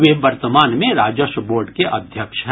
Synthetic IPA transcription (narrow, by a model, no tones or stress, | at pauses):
ʋɪʋɐɾt̪əmaːnmẽɾaːd͡ʒəʃboːɾɖkeʔɐd̪ʱjəkʃɦ